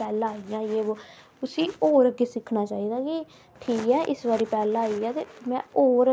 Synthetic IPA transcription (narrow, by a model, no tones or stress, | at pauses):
pɛːlãːijãːieːoːt̪ʊsĩːoːɾəɡeːsɪkʰnaːt͡ʃaːiːd̪aːkɪ | ʈʰiːkɛːʔɪsbaːɾiːpɛːlãːiːaːt̪eːmɛ̃ːoːɾ